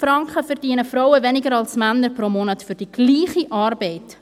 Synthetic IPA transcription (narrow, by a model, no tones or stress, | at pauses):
fɾɑŋkχəfɛɾdiənəfɾowəvɛnɪɡəɾɑlsmænːəɾpɾomɔnətfyɾd̥iɡ̥liːχiʔʔɑːrbɛɪt